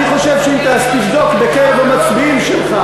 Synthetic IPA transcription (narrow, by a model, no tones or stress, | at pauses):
niχo̞ʃevʃeimt̪ast̪ifd̪o̞kbekeevamat͡sbiimʃelχa